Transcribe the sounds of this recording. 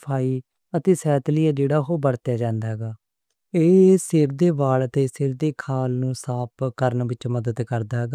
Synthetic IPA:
pʰaːiː | ət̪eːsɛːt̪lɪjaːd͡ʒeːɽaːɦoːbəɽt̪jaːd͡ʒãːnd̪aːɦɛːɡaː | eːsɪɾd̪eːbaːlət̪eːsɪɾd̪eːkʰaːlnũːsaːpkəɾnʋɪt͡ʃməd̪əd̪kəɾd̪aːɦɛːɡaː

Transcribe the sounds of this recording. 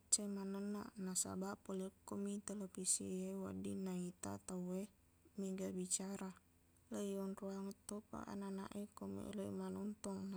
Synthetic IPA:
t͡ʃemanənːa̰nasa̰baʔpolikːomit̪elepisḭewa̰dinait̪a̰t̪awe | miɡabit͡ʃaɾa | ləjɔnruaŋət̪ːopa̰ʔa̰nana̰ʔikomḛləimanɔnt̪ɔŋna

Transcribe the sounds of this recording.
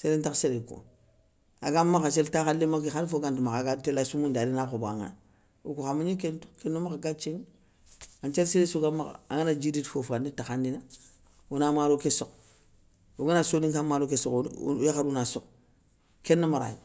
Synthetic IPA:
seɾentakseɾeko̰ | aɡamːakat͡ʃeltaxalːimakixanfoɡantimakaɡatelasumundalinaxoba̰ŋa̰n | ṵkuxamuɲik̬ento̥kenːomakaɡat͡ʃeŋ | ant͡ʃelseɾesuɡamːaka̰aŋanad͡ʒiditfofanitaxandina | unamaɾokisok | uɡanasoniŋkamːaɾokesokjaxadunasok | kenːamaɾa̰j

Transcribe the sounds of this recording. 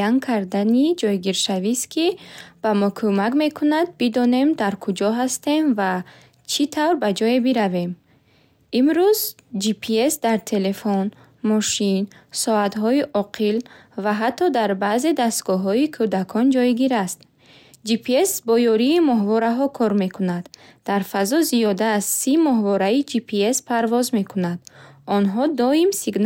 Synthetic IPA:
aŋkʰaɾd̪anid͡ʒɔjɡiɾʃaviskʰib̥amɔkʰumakme̞kʰunad̪̚bid̪ɔne̞md̪aɾkʰud͡ʒɔɦast̪e̞mva | t͡ʃʰit̪ʰavɾbad͡ʒɔebiɾave̞m | imɾuz | d͡ʒipʰiesd̪aɾt̪ʰe̞le̞fɔn | mɔʃinsɔat̪ɦɔiʔɔqʰil | vaɦat̪ʰːɔd̪aɾbaze̞d̪ast̪ɡɔɦɔikʰud̪akʰɔnd͡ʒɔjɡiɾast̪̚ | d͡ʒipʰiesbɔjɔɾiːmɔɦvɔɾaɦɔkʰɔɾme̞kʰunad̪ | d̪̥aɾfazɔzijɔd̪assimɔɦvɔɾaid͡ʒipʰiespʰaɾvɔzme̞kʰunad̪ɔnɦɔd̪ɔimsiɡn

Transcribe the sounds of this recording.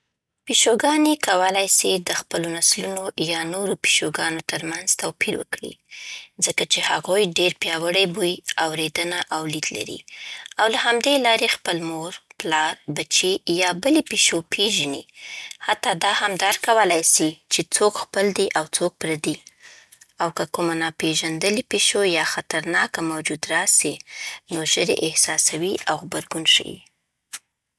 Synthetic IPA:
piʃoɡɑnekawəlajsid̪əxpəlonaslunojɑnoɾopi̥ʃoɡɑnot̪əɾmanzt̪awpiɾwə̰kɽḭzəkat͡ʃehaɣujɖeɾpjɑwəɽajbujawɾed̪ənaʔawlid̪la̰ɾḭawlahamd̪elɑɾexpəlmoɾplɑɾbat͡ʃejɑbəlepeʃopʰeʒənihat̪ːɑd̪ɑhamd̪ɑɾkawəlajsit͡ʃet͡sokxpəld̪iʔawt͡sok̚pɾad̪i | awkəkumanɑpeʒand̪əlipeʃojɑxat̪aɾnɑkamawd͡ʒud̪ɾɑsinoʒəɾḛʔɪhsɑsawiʔawɣbaɾɡunʃə̰wḭ

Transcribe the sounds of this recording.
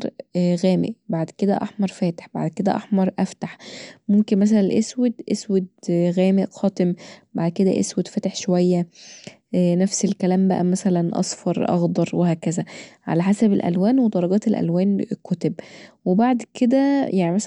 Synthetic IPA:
ɾɣæːmḛʔbaʕd̪ked̪æ̰ʔɑ̰ħmɑɾˤfæːt̪e̥ħba̰ʕd̪ked̪æ̰ʔɑħmɑɾˤʔæft̪aħmomkenmæs̬ælænʔeswed̪ʔeswed̪ɣæːmeʔxɑːt̪ˤembaʕd̪ked̪æ̰ʔḛswed̪fæt̪eħʃowæjːæ | næfselkælæːmbæʔæ̰mæsælænʔɑ̰sˤfɑɾˤʔɑ̰ɣd̪ˤɑɾˤwehæːkæzæʕa̰læħasæbelʔæ̰lwæːnwed̪ˤɑɾˤɑɡɑːt̪elʔæ̰lwæːnkʊt̪ebwebaʕd̪ked̪æjʔaʕnimæs

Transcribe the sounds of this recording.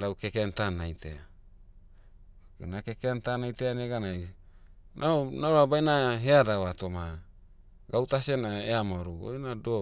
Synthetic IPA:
lawkekeantanajtḛa | kenakekeantanajteaneɡanaj | nʔaonaɾoabajnaɦeadawatoma | ɡawtasenaeamaɾuo̰jnado

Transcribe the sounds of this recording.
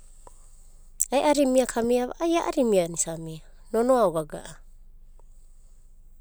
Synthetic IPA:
aeʔaɾimiakʰamiaβa̰ʔajaʔaɾimianisamia | nonoaoɡaɡa̰ʔa

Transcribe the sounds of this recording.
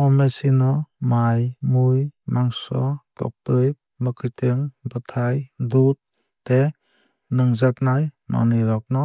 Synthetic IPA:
ɔmesinɔmajmujmaŋsɔtɔ̰k̚tɯjp̚mɯkʰɯtɯŋbɯtʰajdut̚ː | e | nɯŋzaknajma̰nɯɾɔk̚nɔ

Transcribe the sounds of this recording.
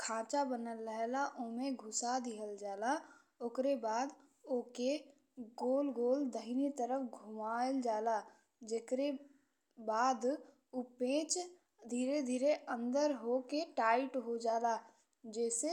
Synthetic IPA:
kʰãːt͡ʃabənəlːəɦɛlaʔoːmẽɡʱʊsad̪iɦəld͡ʒaːla | oːkɾebaːd̪ | oːke | ɡoːlɡoːld̪əɦɪnit̪əɾəfɡʱʊmaːld͡ʒaːla | d͡ʒeːkɾe | baːd̪ | upẽːt͡ʃ | d̪ʱiːɾed̪ʱiːɾeʔə̃nd̪əɾɦokeʈaːɪʈɦod͡ʒaːla | d͡ʒɛːse

